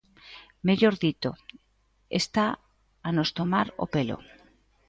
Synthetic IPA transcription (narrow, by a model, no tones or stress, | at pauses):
meʎoɾðit̪o | ḛst̪aː | nost̪omaɾo̰pelo̰